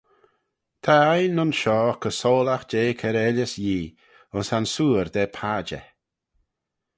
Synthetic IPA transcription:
t̪ʰaajnʊnʃɔːkʰəsoːlaxd͡ʒeːkʰɛɾɛləsjiː | ʊnsansuːɾd̪ɛpʰad͡ʒə̰

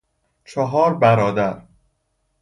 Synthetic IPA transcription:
t͡ʃʰɒɦɒːɾbæɾɒːd̪æɾ

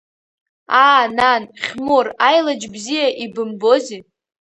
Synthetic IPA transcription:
aːnanχʲmorajlad͡ʒbzijaʔibɨmbozi

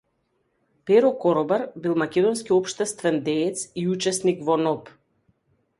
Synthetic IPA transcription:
pɛɾɔkɔɾɔbaɾbilˠmakʲɛd̪ɔnskiɔpʃt̪ɛst̪vɛnd̪ɛːt̪siut͡ʃɛsnikvɔnɔp

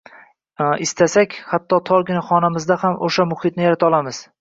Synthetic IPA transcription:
ɪst̪ʰasakʲhat̪ʰːɒt̪ʰɒɾɡʲɪnaχɒnamɪzd̪ahamʔoʃamʊhɪt̪nɪjaɾat̪ʰɒlˠamɪz̥

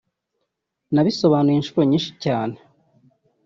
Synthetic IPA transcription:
naβiso̞βaːnujinʃuɾo̞ɲiːnʃi̥caːne

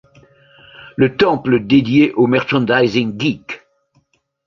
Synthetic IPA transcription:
lət̪ɑ̃pləd̪ed̪jeʔomɛʁʃɑ̃nd̪ajzĩŋɡik

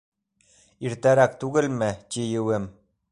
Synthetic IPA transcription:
iɾt̪æɾæk̚t̪uɡɘ̆lmɘ̆tʲijɘ̆wɘm

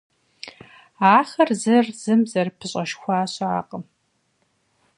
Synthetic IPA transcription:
aːxɐrzɨrz̥ɨmzɐrpʰɨɕʼɐʃxʷaːɕʼa̰ːqʼəm

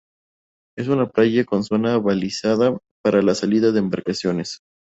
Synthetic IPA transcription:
e̞s̬unaplaʝako̞nso̞naβalisaða | paɾalasaliðaðe̞ːmbaɾkasjo̞ne̞s

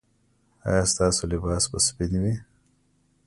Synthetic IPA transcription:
ɑ̰jɑːst̪ɑːsolɪbɑːsbəspɪnwi

